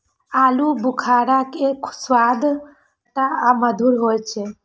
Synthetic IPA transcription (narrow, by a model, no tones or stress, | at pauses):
aːlubʊkʰaːɾakekswad̪ʱ | ʈaaməd̪ʱuɾɦojt͡ʃʰe